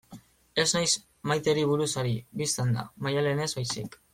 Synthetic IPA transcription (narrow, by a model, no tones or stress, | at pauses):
e̞znajs | majt̪e̞ɾiβ̞uɾusaɾiβist̪and̪a̰majale̞ne̞zβajsik